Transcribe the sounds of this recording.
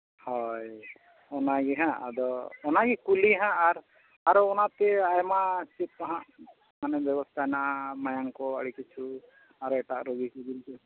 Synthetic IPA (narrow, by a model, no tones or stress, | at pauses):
hɔj | ɔnaɡiɦãʔa̰d̪ɔːnaɡikuliɦãʔaɾ | aɾɔɔnat̪ɛajmasit̪̚aɦãʔ | manɛbjɛbɔst̪ʰajnaʔamajaŋkɔəɽikit͡ʃʰu | aɾɔɛʈaʔɾɔɡikibiɾikɛ